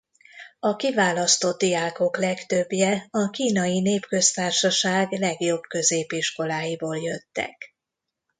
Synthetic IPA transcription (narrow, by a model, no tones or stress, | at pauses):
ɒkivaːlɒst̪o̞d̪̚d̪ijaːko̞klɛkt̪øbjɛɒkiːnɒjineːpkø̞st̪aːrʃɒʃaːɡlɛɡjo̞bkø̞zeːpiʃko̞laːjiboːljøt̪ːɛ̰k